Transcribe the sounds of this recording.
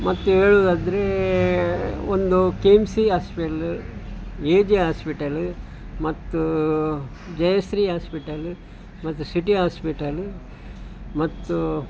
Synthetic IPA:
mɐt̪ːuɦeːɭuːd̪aːd̪ɐɾe | ond̪ukeːmsiɦaːspiʈɐl | eːd͡ʒiɦaːspiʈɐl | mɐt̪ːu | d͡ʒɐjɐsɾiɦaːspiʈɐl | mɐt̪ːusiʈiɦaːspiʈɐl | mɐt̪ːu

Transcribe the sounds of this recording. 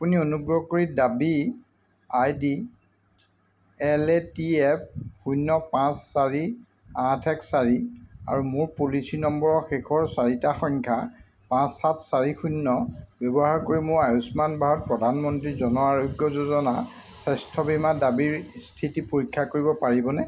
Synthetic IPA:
apunionuɡɹɔkoɹidabi | ajdi | ɛlɛtiɛp̚ʰxujnːɔpãsːaɹi | ãtʰɛksaɹia̰ɹumʊɹpulisinɔmbɔɹɔxekʰɔɹsaɹitaxɔŋkʰa | pãsːatʰsaɹixunːɔbjɔbɔɦaɹkoɹimʊɹajusmanbʱaɦɔt̚pɹɔdʱanmɔntɹizɔnɔaɹoɡjɔzozɔna̰ | sɛstʰɔbimadabiɹstʰitipoɹikʰːakoɹibɔpaɹibɔnɛ

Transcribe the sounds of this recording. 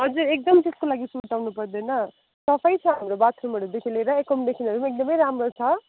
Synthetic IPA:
ɦʌd͡zuɾek̚d̪ʌmt̪eskolaɡisuʈ̪awnupʌrd̪ʌjnʌ | sʌpʰʌjt͡sʰʌɦamɾobat̪ʰɾumʌɽud̪ekʰileɾʌekʌmd̪ekʰinʌɾumek̚d̪ʌmʌjɾamrot͡sʰʌ

